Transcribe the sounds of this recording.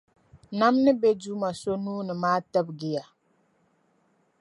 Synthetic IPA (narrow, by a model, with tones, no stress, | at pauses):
na˦mnɨ˦be˦du˦ma˨so˦nuː˦nə˨ma˦tə˦b̚ɡe˦ja˨